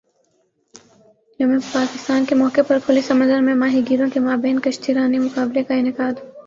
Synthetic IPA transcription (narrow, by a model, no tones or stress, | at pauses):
jɐmẽpaːkɪst̪aːnkemɔːkepɐɾkʰʊlisɐmə̃nd̪əɾmẽmaːɦiɡiːɾõkemaːbeːnkɐʃt̪iɾaːnimʊkaːblekaɪnɪkaːd̪